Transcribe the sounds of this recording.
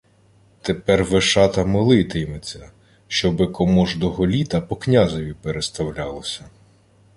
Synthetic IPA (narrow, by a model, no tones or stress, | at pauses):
t̪epɛrʋeʃɑt̪ɐmɪlˠɪt̪ɪjmet͡sʲːɐ | ʃt͡ʃɔbɪkɔmɔʒd̪ɔɦɔlʲit̪ɐpɔknʲazɔʋʲipeɾest̪ɐwlʲɑlˠɔsʲɐ